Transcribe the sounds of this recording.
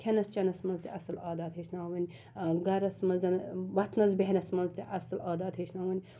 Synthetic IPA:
kʲʰenɐst͡ʃɐnɐsmɐnzt̪eɐsɐlaːd̪aːd̪ɦeʃnaːwɐn | ɡɐɾɐsmɐnzɐnbɐt̪ʰnɐzbeɦnɐsmɐnzt̪iʔɐsɐlaːd̪aːd̪heʃnaːwɐnʲ

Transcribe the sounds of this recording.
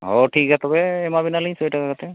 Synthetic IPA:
ɦɔʈʰikat̪ɔbɛːmabinalĩj̃sɔjʈakakat̪ɛ

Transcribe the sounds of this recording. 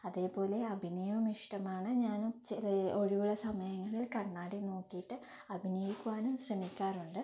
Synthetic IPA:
ɐðe̞ːpo̞ːle̞ɐbʱinijɐmiʂʈɐmaːɳɨɲaːnt͡ɕːilo̞ɻiʋuɭɐsɐmɐjɐŋːɐɭilkɐɳːaːɽino̞ːkːijiʈːɨ | ɐbʱinijikʲːuʋaːnumɕrɐmikʲːaːruɳɖɨ

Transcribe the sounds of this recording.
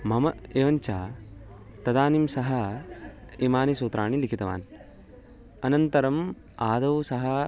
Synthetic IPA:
mɐmɐeːʋɐɲt͡ʃaː | t̪ɐd̪aːnimsɐɦɐ | imaːnisuːt̪ɾaːɳilikʰit̪ɐʋa̰ːn | ɐnɐnt̪ɐɾɐm | aːd̪ɐʋsɐɦɐ

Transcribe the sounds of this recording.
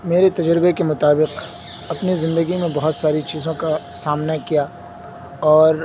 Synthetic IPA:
meːɾet̪ɐd͡ʒɾbekemʊt̪aːbɪq | ɐpnizɪ̃nd̪əɡimẽbɐɦʊt̪saːɾit͡ʃiːzõkasaːmnakija | ɔːɾ

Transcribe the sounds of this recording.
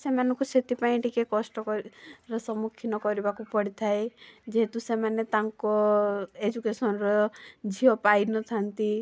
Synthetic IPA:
semanɔŋkuset̪ipaĩʈikekɔsʈɔkɔɾɔsɔmukʰːinɔkɔɾibakupɔɽit̪ʰaed͡ʒeɦet̪usemanet̪aŋkɔed͡ʒukesɔnɔɾɔd͡ʒʱiɔpajnɔt̪ʰant̪i

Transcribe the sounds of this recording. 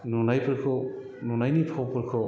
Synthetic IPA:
nunajpʰɯɾkʰɯ | nunajnipʰawpʰɯɾkʰɯ

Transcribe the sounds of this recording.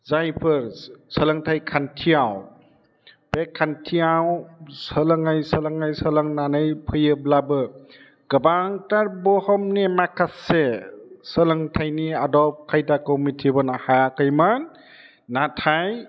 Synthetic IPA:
zajpʰɯɾsələŋtʰajkʰantʰijaw | bekʰːantʰijawsələŋajsəlaŋajsələŋnanɯjpʰɯjɯblabɯ | ɡ̥ɯbaŋtaɾbɔhɔmnemakʰasesəlaŋtʰajniadɔp̚kʰajdakɔwmitʰibɔnahaakɯjman | natʰaj

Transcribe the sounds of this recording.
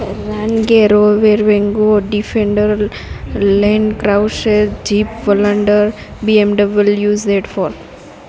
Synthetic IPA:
ɾanɡeɾoʋeɾʋẽŋɡoɖifʰẽɳɖəɾ | lɛ̃ɳɖkɾaʊseɾd͡ʒipʋələɳɖəɾbiemɖəbʋəljuːzd̪eʈfɔɾ

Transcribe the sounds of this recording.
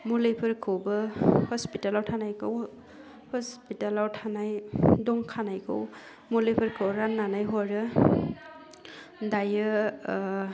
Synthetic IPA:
mulepʰɯɾkʰɯwbɯhɔspitalawtʰanajkʰɯw | hɔspitalawtʰanajdɔŋkʰanajkʰɯ̰w | mulepʰɯɾkʰɯwɾanːanajɦɔɾɯ | dajɯ

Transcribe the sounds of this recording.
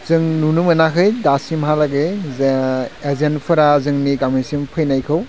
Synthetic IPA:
z̥ɯŋnunumɯnakʰɯjdasimɦalaɡɯ | ezenpʰɯɾazɯŋniɡamɯsimpʰɯjnajkʰɯw

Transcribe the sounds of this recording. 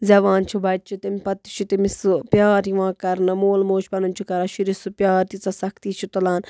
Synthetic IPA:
zʲɐʋaːnt͡ʃʰubɐt̪̚t͡ʃʰit̪impɐt̪ːi̥t͡ʃʰit̪imisɨpjaːɾiʋãːkɐɾnɐmoːlmoːʃbɐnunt͡ʃʰukɐɾɐʃiɾisɨpjaːɾt̪it͡sɐsɐkt̪iːt͡ʃʰut̪ɐlaːn

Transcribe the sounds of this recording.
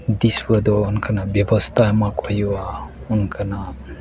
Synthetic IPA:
d̪iswəd̪ɔːnkʰanabjebɔst̪ʰamakɔjuwa | unkʰana

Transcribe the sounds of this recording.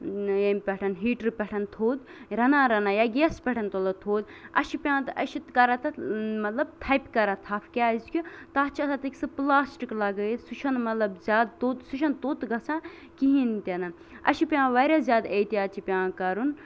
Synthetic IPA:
jɐmʲpʲɛʈʰɐnɦiːʈɾpʲɛʈʰɐnt̪ʰoːd̪ɾɐnãːɾɐnaːjaɡeːspʲɛʈʰɐnt̪olɐt̪ʰoːd̪ɐ̰ʃipʲjãːt̪ɨʔɐʃit̪kɐɾat̪ɐmɐt̪lɐb̚t̪ʰɐpʲkɐɾat̪ʰaːfʰkʲaːzkʲut̪aːt͡ʃʰiɐsat̪ikʲsɨplaːsʈiklɐɡɐsuʃʰɐnmɐt̪lɐbzʲjaːd̪t̪ot̪suʃɐnt̪oːt̪ɡɐt͡sʰãː | kiɦint̪ʲɐnɐ | ɐ̰ʃipʲãːʋɐɾʲazʲjaːd̪ɐjt̪iaːt͡ʃʰipʲãːkɐɾun

